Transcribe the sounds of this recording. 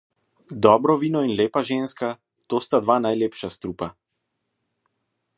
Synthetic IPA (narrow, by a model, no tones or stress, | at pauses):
d̪ɔːbɾɔʋiːnɔinleːpaʒenska | t̪oːst̪ad̪ʋaːnajleːpʃast̪ɾupa